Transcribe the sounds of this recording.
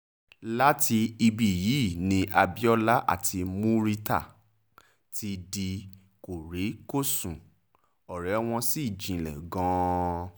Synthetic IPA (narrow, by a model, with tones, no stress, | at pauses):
la˦ti˧i˧bi˨ji˨˦˨nĩ˧ʔa˧bi˦ɔ˦la˦ʔa̰˦˨tʰi˧mũ˦ɾi˧ta̰˦˨ | tʰi˧di˧ | ko˨ɾe˨˦ko˦˨sũ˨ | ɔ˨ɾɛ˨˦w̃ɔ̃˧si˦˨d͡ʒĩ˨lɛ̰˨ɡɔ̃˦